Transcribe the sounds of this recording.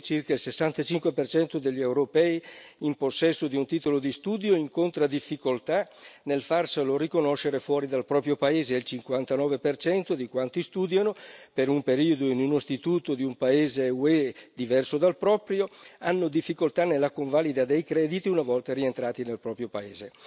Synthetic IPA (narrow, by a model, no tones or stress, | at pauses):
t͡ʃirkailsesːant̪at͡ʃiŋkwepert͡ʃɛnt̪od̪eʎːiewɾopɛiimposːɛsːod̪iunt̪iːt̪olod̪ist̪uːd̪joiŋkont̪ɾad̪ifːikolt̪anelfarselorikonoʃeɾefwɔːɾid̪alpɾɔːpɾjopaeːzeilt͡ʃiŋkwant̪anɔːvepert͡ʃɛnt̪od̪ikwant̪ist̪uːd̪janopeɾumpeɾiːod̪oinunost̪it̪uːt̪od̪iumpaeːzeued̪ivɛrsod̪alpɾɔːpɾjoanːod̪ifːikolt̪anelːakoɱvaːlid̪ad̪ejkɾɛːd̪it̪iunavɔlt̪aɾient̪ɾaːt̪inelpɾɔːpɾjopaeːze